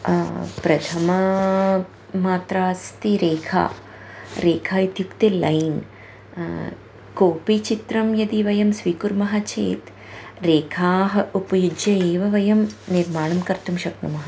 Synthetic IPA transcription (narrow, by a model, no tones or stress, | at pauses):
pɾɐt̪ʰɐmɐ | maːt̪ɾaːst̪iɾeːkʰa̰ː | ɾeːkʰaːid̪jukt̪ilɐjn | koːpit͡ʃit̪ɾɐmjɐd̪iʋɐjɐmsʋiːkuɾmɐɦɐt͡ʃḛːt̪ | ɾeːkʰaːɦɐupɐjud͡ʒjɐeːʋɐʋɐjɐmniɾmaːɳɐmkɐɾt̪umʃɐknɐmɐɦɐ